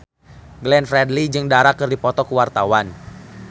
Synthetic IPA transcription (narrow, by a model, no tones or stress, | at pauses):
ɡlɛnfɾɛdlid͡ʒɨŋdaɾakːɨrdipɔt̪ɔkəwart̪awan